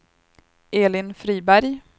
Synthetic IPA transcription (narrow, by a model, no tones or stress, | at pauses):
eːlɪnfɾiːbæɾj